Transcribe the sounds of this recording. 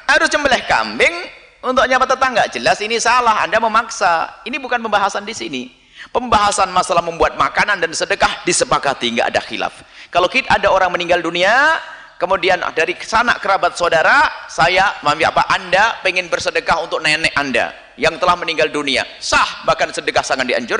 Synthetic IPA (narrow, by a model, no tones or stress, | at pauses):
haɾʊst͡ʃəmbəlɛhka̰mbɪŋ | unt̪ʊk̚ɲabat̪ːət̪aŋɡaʔd͡ʒəlasinisalaɦa̰ndaməmaksainibukanpəmbaɦasandisini | pəmbaɦasanmasalahməmbuat̪̚makanandansədəkahdisəpakat̪iŋɡa̰ʔːda̰xḭla̰fkalokit̪aadaoɾaŋməniŋɡaldunia | kəmudian̰daɾisana̰ʔkəɾabat̪̚sodaɾasajamamfia̰pa̰ʔandapeŋɪnbərsədəkaɦunt̪ʊk̚nanɛʔanda̰ | jaŋt̪əlahməniŋɡaldunia̰sahbahkansədəkahsaŋandia̰ɲd͡ʒʊr